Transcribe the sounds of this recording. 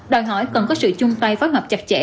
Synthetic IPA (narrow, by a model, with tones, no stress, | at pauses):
ɗɔ˨˩jɦɔ˧˩jkə˨˩nkɔ˨˦sɨ̰˧˨t͡ɕʊ˧ŋ͡mt̪a˧jfoː˨˦jɦwa˨˩k͡p̚t͡ɕa˨˩t̚t͡ɕɛ̰˧˥